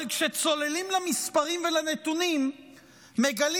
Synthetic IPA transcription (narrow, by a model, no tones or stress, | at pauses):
kʃet͡so̞le̞limlamispaʁimvelanet̪unimː | e̞ɡali